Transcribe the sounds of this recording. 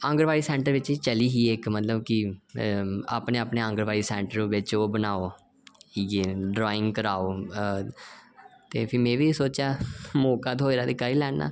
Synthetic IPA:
ə̃ŋɡəɾʋaːiːsɛ̃ːɳʈəɾʋɪt͡ʃːt͡ʃəliːɦiːekmət̪ləbkɪ | a̰ːpneːaːpneːə̃ŋɡəɾʋaːiːsɛ̃ːɳʈəɾʋɪt͡ʃoːbənaːoː | iɡeːɖɾɔːɪŋɡkəɾaːoː | t̪ḛːpʰɪɾmɛ̃ːʋiːsoːt͡ʃjaːmoːkaːd̪oːɾaːd̪iːkəiːlɛːnːa̰ː

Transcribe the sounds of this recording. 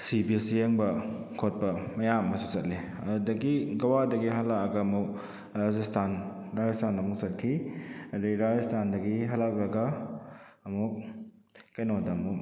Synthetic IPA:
sibisieŋbɐ | kʰot̚pɐmɐjamɐsusɐt̚li | ɐ̰udɐɡiɡɐwadɐɡiɦalakɐɡɐːmuk̚ | ɾad͡ʒestʰanɾad͡ʒestʰanɐmuk̚sɐt̚kʰiɐɾiɾad͡ʒestʰandɐɡiɦalak̚ɾɐɡa | ɐmuk̚ | kɐjnodamuk

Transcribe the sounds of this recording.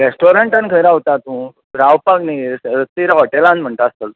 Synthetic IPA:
ɾesʈoɾəɳʈənkʰəjɾaɦot̪at̪ũ | ɾawpakniɾət̪iɾaɦɔʈelãnm̤əɳt̪aːst̪əl

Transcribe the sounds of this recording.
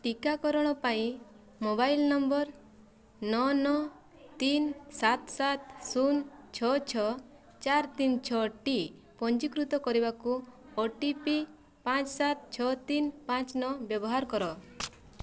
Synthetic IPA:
ʈikakɔɾɔɽ̃ɔpaĩ | mobajlnɔmbɔɾ | nɔnɔ | t̪insat̪sat̪sunt͡ʃʰɔt͡ʃʰɔ | t͡ʃaɾt̪int͡ʃʰɔʈi | pɔnt͡ʃikɾut̪ɔkɔɾibaku | ɔʈipi | pãt͡ʃsat̪t͡ʃʰɔt̪inpãt͡ʃnɔbjɔbɔɦaɾkɔɾɔ

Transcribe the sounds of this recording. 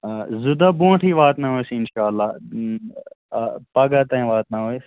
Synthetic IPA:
zʊd̪abũːʈʰiːʋaːt̪naɦoesiɪnʃaːlːaː | paːɡat̪ãːĩʋaːt̪naɦoe

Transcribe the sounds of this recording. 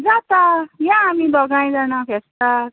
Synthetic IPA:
d͡zat̪ajãːmid̪ɔɡaj̃d͡zanapʰesʈa

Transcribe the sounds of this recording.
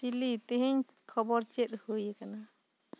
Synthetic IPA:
ilit̪eɦiɲ | kʰɔbɔɾt͡ʃet̪hujekana

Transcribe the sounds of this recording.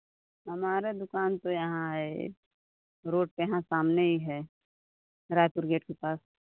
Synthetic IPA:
ɦɐmaːɾed̪ʊkaːnt̪ojɐɦãɦɛ̰ | ɾoːʈ̚keɦãsaːmneɦiɦɛː | ɾaːjt̪ʊɾɡeːʈkepaːs

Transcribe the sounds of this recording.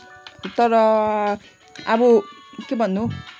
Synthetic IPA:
t̪ʌɾʌ | ʌbʌkebʱʌnːu

